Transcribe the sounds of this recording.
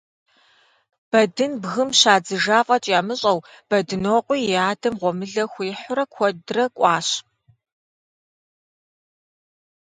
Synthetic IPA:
b̥ɐdɨnbɣɨmɕaːd͡zɨʒaːfʼɐt͡ʃʼjaːmɨɕʼɐwb̥ɐdɨnoːqʷʼiːjaːdɐmʁʷɔmɨɮɐxʷiːħʷʊɾɐkʷʰɔdrɐkʷʼɑːɕ

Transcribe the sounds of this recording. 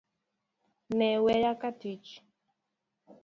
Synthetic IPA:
nɛwɛjakatit͡ʃ

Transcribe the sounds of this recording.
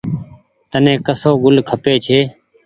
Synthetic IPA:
t̪ənẽːkəsoːɡʊlkʰəpeːt͡ʃʰeː

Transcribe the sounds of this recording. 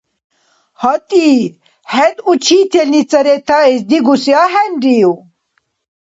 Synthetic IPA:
hɔt̪i | hɛd̪ut͡ʃʰit̪ʰelnit͡sɐɾet̪ʰaesd̪iɡusjaɦɛnɖiw

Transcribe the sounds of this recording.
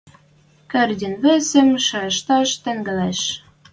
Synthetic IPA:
kɘ̆rd̪ʲɘ̆nβɘ̆sɘ̆mʃɑɤʃt̪ɑʃt̪ɘ̆ŋɡɘ̆læʃ

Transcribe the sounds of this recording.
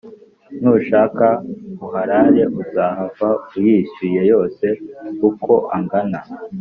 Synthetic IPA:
n̥uːuʃaːkauɦaɾaɾe̞ʔuzaːhavaujiʃiːje̞jo̞ːse̞kukʰo̞ʔaŋɡana

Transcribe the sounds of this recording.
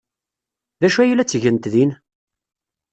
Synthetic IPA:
ðæʃuæjəlæt͡sːʝənt̪ðin

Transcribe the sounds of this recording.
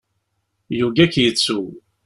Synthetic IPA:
juɡækjət͡sːu

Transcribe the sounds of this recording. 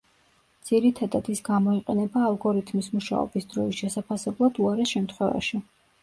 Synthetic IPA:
d̪z̥iɾit̪ʰad̪ad̪isɡamɔiqʼɛnɛbaːlˠɡɔɾit̪ʰmismuʃa̰ɔ̰bisd̪̥ɾɔisʃɛsapʰasɛblˠad̪uaɾɛʃɛmt̪ʰχwɛva̰ʃi

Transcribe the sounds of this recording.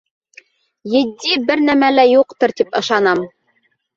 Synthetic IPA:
jɘ̆d̪ʲːibɘɾnæmælæjuqt̪ɤ̆ɾt̪ipɤ̆ʃɑnɑm

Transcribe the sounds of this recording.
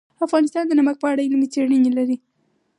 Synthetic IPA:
afɣɑnɪst̪ɑnd̪ənamak̚pəaɽaɪlmit͡seɽənelaɾi

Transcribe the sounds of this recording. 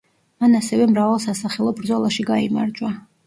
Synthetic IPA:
manasɛvɛmɾavalˠsasaχɛlˠɔbɾd̪zɔlˠaʃiɡaima̰ɾd͡ʒwa

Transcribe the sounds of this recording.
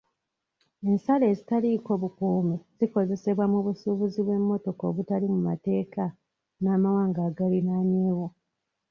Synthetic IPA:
e̞nsale̞ːzitaliko̞βukuːmiz̥iko̞ze̞se̞βwamuβusuβuziβwe̞mːo̞to̞ko̞̰βutalimuma̰te̞ːka | naːmawaːŋɡaːɡalinaːɲeːwo̞

